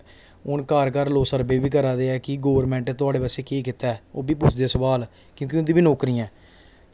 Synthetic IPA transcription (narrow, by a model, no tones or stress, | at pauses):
ʊnkaːɾkəɾloːsəɾbeːbiːkəɾaːd̪eɛːkɪɡoːəɾmɛ̃ːɳʈːt̪ʊaːɽeːpəseːkeːkɪt̪ɛːoːbiːpʊt͡ʃʰd̪eːsəʋaːl | kjõːk̬iʊnd̪iːbiːnoːkɾiːɛ̃ː